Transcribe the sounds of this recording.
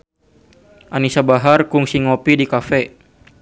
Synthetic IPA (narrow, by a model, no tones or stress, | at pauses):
ʔanisabaɦarkuŋsiŋɔpidikafɛ